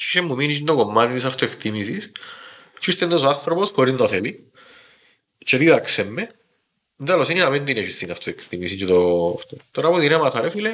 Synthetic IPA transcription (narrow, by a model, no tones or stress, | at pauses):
t͡ʃiʃemːuminiind̪okomːɐt̪it̪isɐft̪oekt̪imisis | t͡ʃust̪end̪osoanθɾoposxoɾind̪ɐθeli | t͡ʃeðiðɐksemːe | nd̪elosininɐmend̪ineʃist̪inɐft̪oekt̪imisiɲt͡ʃet̪oft̪ot̪oɾɐpuðinemɐθɐɾefile